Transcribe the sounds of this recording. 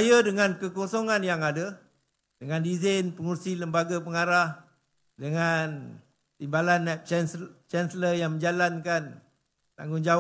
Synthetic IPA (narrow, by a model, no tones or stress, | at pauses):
jadəŋãnkəkosoŋãnjaŋada | dəŋãndizanpəŋursiləmbaɡapəŋaɾah | dəŋan | t̪imbalanːɛp̚nt͡ʃɛnsələjaŋmə̃ɲd͡ʒalankan | t̪a̰ŋɡʊŋd͡ʒa